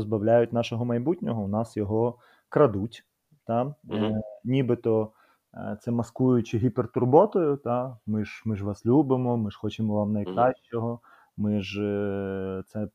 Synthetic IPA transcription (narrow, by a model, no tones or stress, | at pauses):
zbɐwlʲajʊtʲnɑʃɔɦɔmɐjbutʲnʲɔɦɔʊnɑsjɔɦɔ | kɾɐd̪utʲ | t̪ɑ | nʲibɪt̪ɔ | t̪sɛmɐskujʊt͡ʃɪɦʲipert̪ʊrbɔt̪ɔjʊt̪ɑmɪʒmɪʒʋɑslʲubɪmɔmɪʒ̥xɔt͡ʃɪmɔʋɑmnɐjkɾɑɕʲt͡ʃɔɦɔ | mɪʒ | t̪sɛ